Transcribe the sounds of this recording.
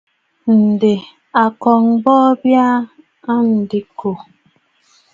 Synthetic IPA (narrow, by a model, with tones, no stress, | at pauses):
n̩˨de˨ | a˨kɔ˨ŋbɔː˦bja˦ | a˦n̩˨di˨kʰo˨